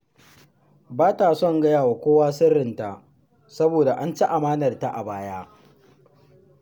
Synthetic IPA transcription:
baː˦ta˨sɔ˦˨ŋɡɐ˦jaː˨wa˨kʷoː˦waː˦sɪ˦rːɪ˨nta˨ | sɐ˦boː˨da˨ʔa˦nt͡ʃi˦ʔa˨maː˦nɐ˨rta˦˨ʔa˨baː˦jaː˦

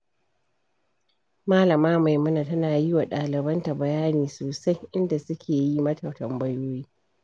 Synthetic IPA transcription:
maː˦lɐ˨maː˦ma˨jmʊ˦na˨tɐ˦naː˨ji˦wa˨ɗaː˨lɪ˨bɐ˦nta˨bɐ˨jaː˦niː˨soː˨sa˦jʔɪ˦nda˨sʊ˦kʲʰeː˨ji˦mɐ˦tʰɐ˨wtɐ˨mbɐ˦joː˦jiː˦

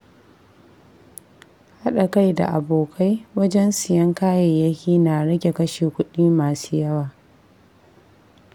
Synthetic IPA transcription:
ha˦ɗa˨ka˦jda̰˨ʔa˨boː˨kʰa˦jwɐ˦d͡ʒɛ˦nsɪ˨jɐ˦ŋkaː˦je˨jɐ˦kʲiː˦na˨ɽɐ˦ɡʲe˨kɐ˦ʃeː˨kʷʊ˦ɗiː˦maː˨suː˦jɐ˦waː˨

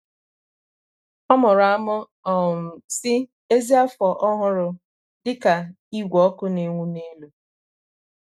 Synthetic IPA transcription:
ɔ˦mʊ˨ɾʊ˨a˦mɔ˦ | ɔ˨m̩˨sɪ˦ | e˦zi˦a˦fɔ˨ʔɔ˦ɦʊ˦˨ɾʊ˨ | dɪ˦ka˨ | i˦ɡʷɔ˦kʊ˦ne˨ŋʷu˦ni˦lu˨

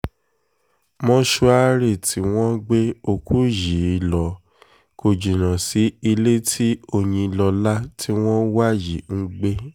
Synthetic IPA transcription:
mɔ̃˦ʃu˦a˦ɾe˦˨tʰi˨˦w̃ɔ̃˦ɡ͡be˦o˧ku˦ji˨˦˧lɔ˨˦ | ko˧d͡ʒi˨ñã˨si˨˦i˧le˦tʰi˦o˧j̃ĩ˧lɔ˧la˦tʰi˦w̃ɔ̃˦wa˦ji˨ŋ̩˦ɡ͡be˦

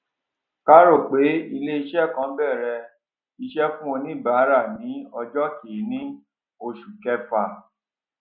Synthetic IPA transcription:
ka˦ɾo˦˨k͡pe˨˦i˧le˦i˧ʃɛ˦˨kã˨˦bɛ˦˨ɾɛ˧ | i˧ʃɛ˦fũ˦o˧nĩ˦˨ba˨˦ɾa˦˨nĩ˨˦ɔ˧d͡ʒɔ˦ki˨˦nĩ˦ | o˧˨ʃu˨kɛ˦fa˧˨

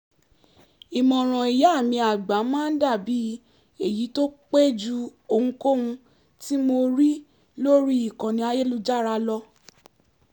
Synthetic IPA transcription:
i˨mɔ̃˨ɾ̃ɔ̃˨i˨ja˨˦˨mĩ˧a˨ɡ͡ba˨˦mãː˦n̩˦da˦˨bi˨˦ | e˨ji˨˦to˦k͡pe˦d͡ʒu˦o˧˨ŋ̩̃˦ko˦ũ˧ | ti˦mo˧ɾi˦ | lo˦ɾi˦i˦˨kã˨nĩ˧˦a˧je˦lu˧d͡ʒa˦ɾa˧lɔ˧˦

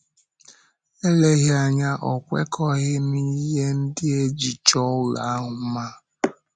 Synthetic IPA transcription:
e˦le˦ɣɪ˦a˨ɲa˦ʔɔ˨kʷḛ˦kʰɔ˦ɣɪ˦mi˦ɦe˦n̩˦dɪ˦e˦d͡ʒi˨t͡ʃɔ˦ʊ˦˨la̰˨a˦ɦʊ˨m̩˦ma˦

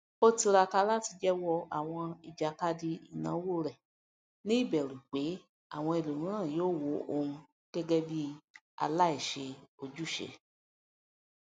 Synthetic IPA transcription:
o˦ti˧ɾa˧ka˧la˦ti˧d͡ʒɛ˦wɔ˧a̰˨w̃ɔ̃˧i˨d͡ʒa˨ka˦di˧i˨nã̰˨˦wo˦˨ɾɛ˨ | nĩ˦i˦˨bɛ˨ɾũ˨k͡pe˨˦ | a̰˦˨w̃ɔ̃˧e˨lo˨nũ˨˦ɾ̃ã˦˨joː˦˨wo˨˦ʔo˧ũ˧ | ɡ̥ɛ˦ɡɛ˦bi˦ | a̰˧la˦i˦˨ʃe˧o˧d͡ʒu˦˨ʃḛ˧˨

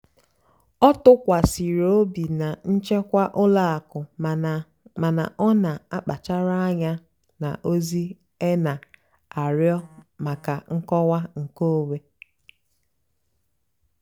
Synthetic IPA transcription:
ɔ˦tʊ˦kʷa˨si˨ɾo˦bi˨na˨n̩˦t͡ʃe˦kʷa˦ʔʊ˦la˦a˨kʊ˨ | ma˨na̰˨ʔɔ˦na˨a˦k͡pa˨t͡ʃa˦ɾa˦a˦ɲa˦ | na̰˨ʔo˦zi˦ | e˦na˨ | a˨ɾjɔ˦ma˨ka˨ŋ̩˦kɔ˦wa˦ŋ̩˨ko˦we˦

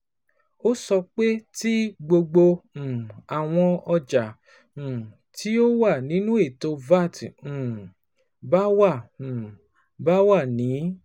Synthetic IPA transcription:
o˦sɔ˧k͡pe˦ti˦ɡ͡bo˧ɡ͡bo˧ũ˨a˨w̃ɔ̃˧ɔ˧d͡ʒa˨ | ũ˨ | tʰi˦o˦wa˦˨nĩ˨˦nũ˦e˦˨to˧va˦˨tũ˨ | ba˦wa˦˨ũ˨ | ba˦wa˦˨nĩ˨˦

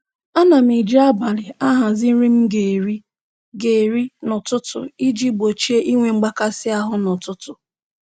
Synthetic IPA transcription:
a˦na˨m̩˨i˨d͡ʒa˦ba˨lɪ˨a˦ɦa˨zɪ˦n̩˦ɾi˦m̩˦ɡe˨ɾi˦ | ɡe˨ɾi˦nʊ˨tʊ˦tʊ̰˨i˦d͡ʒi˦ɡ͡bo˨t͡ʃe˦ʔi˦ŋʷe˨ŋ͡m̩˦ɡ͡ba˦ka˦sɪ˦a˦ɦʊ˦nʊ˨tʊ˦tʊ˨

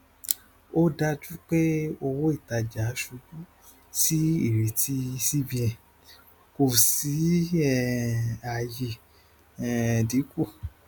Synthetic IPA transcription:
o˦da˧d͡ʒu˦k͡pe˦o˧wo˦i˦˨ta˧d͡ʒa˨˦ʃu˧ɡũ˦ | si˦i˦˨ɾe˨tʰi˧˦si˦bi˧ɛ˨ | ko˨si˨˦ɛ˦˨a˨je˨ | ɛ˨di˨˦ku˦˨

